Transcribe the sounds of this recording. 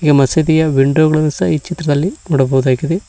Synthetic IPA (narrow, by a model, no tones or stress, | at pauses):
iɡɐmɐsed̪ijɐʋiɳɖoːɣɐɭɐnɐsɐiːt͡ʃit̪ɾɐðɐlːinuɽɐboʋɐðaːkːiðe